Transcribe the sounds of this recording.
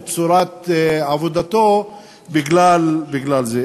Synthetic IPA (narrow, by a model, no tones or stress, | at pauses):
t͡suɾat̪avod̪at̪o | biɡlalbiɡlalze